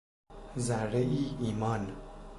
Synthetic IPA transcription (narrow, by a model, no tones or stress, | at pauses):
zæɾːeʔiːiːmɒːn